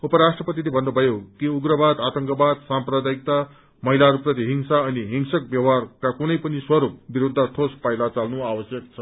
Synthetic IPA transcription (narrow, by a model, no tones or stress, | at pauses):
upʌɾasʈrʌpʌt̪ilebʱʌnːubʱʌjokiuɡɾʌbad̪at̪ʌŋkʌbad̪sãmprʌd̪ajik̚t̪a | mʌɦilaɾuprʌt̪iɦiŋsaʌniɦiŋsʌk̚bjʌwarkakunʌjpʌniswʌɾup̚biɾud̪ʱːat̪ʰospajlat͡salnuawʌsjʌkt͡sʰʌ